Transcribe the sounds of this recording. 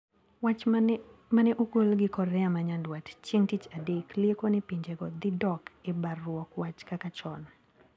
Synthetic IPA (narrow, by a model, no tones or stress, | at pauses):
wa | manɛʔuɡolɡɪkɔrːɛamaɲandwatt͡ʃeŋtit͡ʃadekliekonɛpiɲd͡ʒeɡɔd̪ɪdɔkɪbarːwɔkwat͡ʃkakat͡ʃɔn